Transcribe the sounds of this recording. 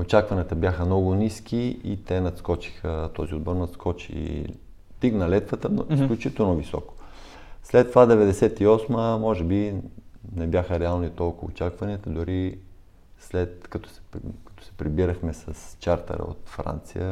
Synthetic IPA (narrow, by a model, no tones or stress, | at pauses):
ot͡ʃakvɐniət̪əbjaxəmnɔɡʊniskʲiit̪ɛnɐt̪skɔt͡ʃi̥xət̪ɔziod̪boɾnɐt̪skʰɔt͡ʃḭ | t̪iknɐlɛt̪vət̪ənisklʲʊt͡ʃit̪ɛlˠnovisɔ̰ko̥ | slɛt̪ːovad̪ɛvɛd̪ɛsɛt̪iɔsməmɔʒɛbi | nɛbjaxəɾɛalˠnit̪ɔlˠkʊo̰t͡ʃakvɐniət̪əd̪ʊɾi | slɛt̪kɐt̪ɔ̥sɛ̥kɐ̥t̪ɔ̥sɛ̥pɾibiɾəxmɛsɐst͡ʃaɾt̪ə̰ɾə̰o̰t̪fɾa̰nt̪sḭjə